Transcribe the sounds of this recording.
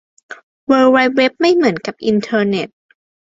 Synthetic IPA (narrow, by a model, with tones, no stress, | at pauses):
wɤː˧wa˧˥jwe˦˥p̚ma˥˩jmɯ˩˦ənka˨˩p̚ʔi˧nt̪ʰɤː˧ne˨˩t̪̚